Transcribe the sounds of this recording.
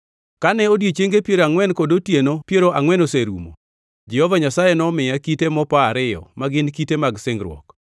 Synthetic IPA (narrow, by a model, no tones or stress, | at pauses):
kanɛodjet͡ʃeŋɡepjeɾaŋwɛnkɔdotjenopjeɾoʔaŋwɛnoseɾṵmo̰ | d͡ʒɛhɔvaɲasajɛnɔmɪjakitemɔpaːɾɪjɔ̰maɡɪnkitemaɡsɪŋɡɾwɔ̰k